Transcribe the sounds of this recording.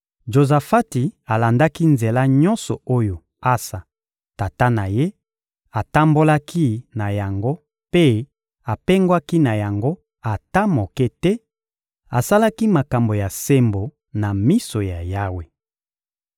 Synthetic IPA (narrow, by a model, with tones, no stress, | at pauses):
ʒo˨za˨fa˦ti˨a˨la˨nda˦ki˦nze˨la˦ɲɔ̃˦nsɔ˨o˦jo˨ | a˦sa˨ | ta˨ta˦na˨je˦ | a˨ta˦mbo˦la˦kʰi˦na˨ja˨ŋɡo˦ | pe˦ | a˨pe˦ŋɡwa˦ki˦na˨ja˨ŋɡo˦ | a˨ta˦mo˨kɛ˦tɛ˦ | a˨sa˦la˦ki˦ma˨ka˨mbo˨ja˨se˦mbo˨ | na˨mi˦so˨ja˨ja˦we˨